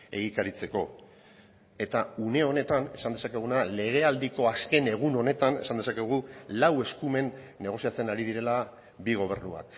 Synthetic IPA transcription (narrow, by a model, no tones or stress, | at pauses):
e̞̰ɣikaɾit͡se̞ko̞ | e̞t̪aune̞one̞t̪ane̞sand̪esake̞ɣ̞unale̞ɣ̞e̞ald̪iko̞aske̞ne̞ɣ̞uno̞ne̞t̪ane̞̰sand̪esake̞ɣ̞ulawe̞skume̞nː | e̞ɣ̞o̞siat͡se̞naɾiðiɾe̞la | biɣ̞o̞β̞e̞ɾnua̰k